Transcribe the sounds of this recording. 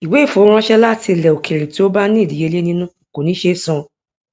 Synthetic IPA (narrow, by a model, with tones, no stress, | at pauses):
i˨we˨˦˨fo˨˦ɾ̃ã˦ʃɛ˦la˦ti˧˨lɛ˨o˨kʰe˨ɾi˨ti˨˦o˦ba˦nĩ˦˨di˨je˧˦le˦nĩ˦nũ˦˨ko˨nĩ˨˦ʃe˦sɔ̃˧˨